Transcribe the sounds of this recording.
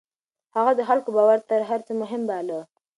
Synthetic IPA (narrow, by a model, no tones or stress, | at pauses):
haɣad̪əxalkobɑwaɾt̪aɾɦaɾt͡səmʊɦɪmbalə